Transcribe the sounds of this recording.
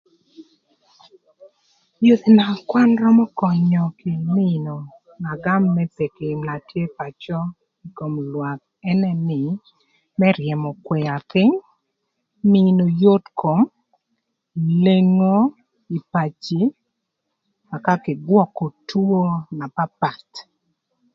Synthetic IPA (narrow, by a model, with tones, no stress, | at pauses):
jo˦t̪i˨na˨kwa˦nɾɔ˦mɔ˦kɔ˨ɲɔ˨kɪ˨mɪ˦no˨ | na˨ɡa˦mːɛ˦pe˨kɪ˨mla˨tje˦pa˨t͡ʃɔ˦ | i˨ko˨mlwa˨k̚ | ɛ˦nɛ˦nɪ˨ | mɛ˦ɾjɛ˨mɔ˨kwɛ˨a˨pɪ˦ŋ | mɪ˦no˨jo˦tkʰo˨m | i˨le˦ŋo˦ | i˨pa˨t͡ʃi˦ | ma˨ka˦kɪ˨ɡwɔ˦kɔ˨tu˦o˦na˨pa˦pa˨t